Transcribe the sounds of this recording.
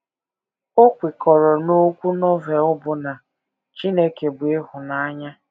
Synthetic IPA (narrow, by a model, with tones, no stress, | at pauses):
o˦kʷɪ˨kɔ˨ɾɔ˨no˦kʷu˦nɔ˦ve˨ʊ˦bʊ˨na˨ | t͡ʃi˦ne˦ke˨bʊ˨e˦hʊ˨na˦ɲa˦